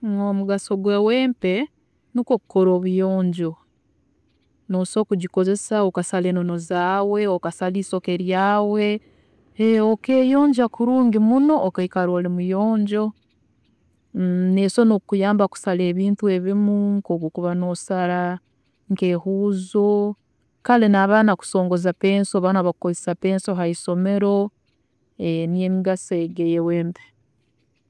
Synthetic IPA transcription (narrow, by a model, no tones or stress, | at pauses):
ŋomuɡaso̞ɡweweːmpe̞ | nikoku̥koɾoːβujoːɲɟo̞ | noso̞ːkuɟiko̞ze̞saokasale̞ːnono̞zaːwe̞okasaliːso̞keɾjaːwe̞ | eokeːjo̞ːɲɟakuɾuːŋɡimuno̞ʔokaikaɾoːlimujoːɲɟo̞ | nesonokkujaːmbaku̥saleːβiːntue̞βimuŋkokokuβano̞saɾa | ŋkeːhuːzo | kalenaːβaːnaku̥so̞ːŋɡozapeːnsoβanaβakukozisapeːnsoɦaiso̞me̞ɾo̞ | enijemiɡaseeɡejeweːmbe̥